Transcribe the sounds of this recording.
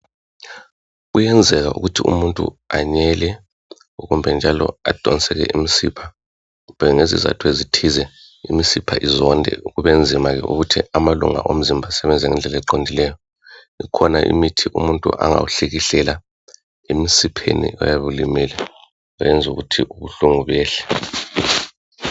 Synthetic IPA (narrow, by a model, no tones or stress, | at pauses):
ujɛnd͡zʱɛɣaʔṵɣutʰiṵmuntʼṵaɲɛlɛ | ɣumbʱɛnd͡ʒʱalɔ̰ad̥ʱɔnsɛɣɛ̰ʔimisipʰa | umbʱɛŋezḭza̰tʰuezitʰizɛ | imisipʰaʔizɔndʱɛ̰uɣuβend͡zʱimaɣɛ̰ʔṵɣutʰiamaluŋa̰ʔom̩zimbʱasɛβɛnd͡zʱɛŋɛnd͡ɮʱɛlɛǃondʱilɛjɔ | ikʰɔnaʔḭmitʰiʔumuntʼṵʔa̰ŋa̰wuɬeɣiɬɛla | emisipʰḛnḭʔɔ̰jaβulimiːlɛ | ɔjɛnd͡zʱuɣutʰiʔuβuɬuŋuβɛːɬɛ̥